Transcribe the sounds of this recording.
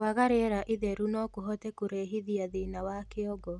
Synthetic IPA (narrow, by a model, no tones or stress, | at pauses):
waɣaɾeɾaʔiðɛɾunɔkoɦɔtɛkoɾeɦiðiaðenawakeɔɡɔ